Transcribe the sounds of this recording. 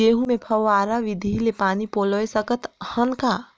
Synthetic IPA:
eːɦũmẽpʰəwaːɾaʋid̪ʱilepaːnipoːləesəkət̪hənkaː

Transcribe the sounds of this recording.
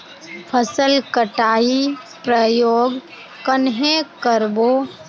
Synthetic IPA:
pʰəsəlkəʈaːi | pɾəjoːɡ | kənɦẽkəɾboː

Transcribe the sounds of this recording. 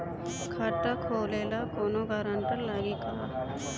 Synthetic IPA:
kʰat̪akʰoːleːlakoːnoɡaɾãɳʈəɾlaːɡiːka

